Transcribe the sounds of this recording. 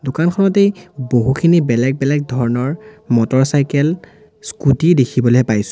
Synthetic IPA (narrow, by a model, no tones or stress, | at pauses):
dʊkankxʰɔnɔtejboɦukʰinibɛlɛɡ̚bɛlɛɡ̚dʱɔɹɔnɔɹmɔtɔɹsajkɛl | skutidekʰibɔloɛpajsʊ